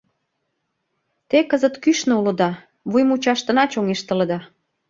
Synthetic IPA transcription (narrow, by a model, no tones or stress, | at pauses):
t̪ekəzət̪kyʃnoulə̆d̪ɑ | βujmut͡ɕɑʃt̪ə̆nɑt͡ɕoŋeʃt̪ələ̆d̪ɑ